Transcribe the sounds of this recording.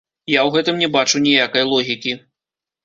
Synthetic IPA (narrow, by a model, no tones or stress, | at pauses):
jawɣɛt̪ɨmnʲɛbat͡ʂunʲijakɐjlˠɔɣʲikʲi